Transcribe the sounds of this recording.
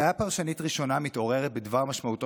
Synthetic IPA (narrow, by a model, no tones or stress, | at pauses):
japaʁʃanitʁiʃo̞namit̪o̞ʁe̞ʁet̚bedvaʁmaʃmaut̪